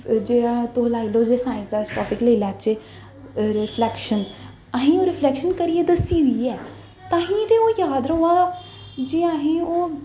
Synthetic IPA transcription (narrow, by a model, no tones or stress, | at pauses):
d͡ʒeːɽaːt̪oːɦlaːiloːd͡ʒeːsãːɪ̃nsd̪aːsʈɔːpɪkləilaːt͡ʃeː | ɾɪpʰlɛːkʃən | əɦĩːoːɾɪpʰlɛːkʃənkəɾieːd̪əsiːd̪iːɛː | t̪ãːɦĩːt̪eːoːjaːd̪ɾoaː | d͡ʒeːaːɦĩːoː